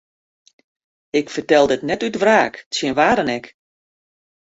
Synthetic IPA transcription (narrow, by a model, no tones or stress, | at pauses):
ɪkfərtɛlˠdətnɛtytvraːktsjənʋaːɾənɛk